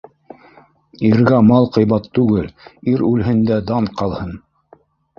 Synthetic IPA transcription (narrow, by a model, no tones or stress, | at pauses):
iɾɡæmɑlˠqɤ̆jbɑt̪ːʉɡɘliɾʉlɦɘ̆nd̪æd̪ɑɴqɑlˠhɤn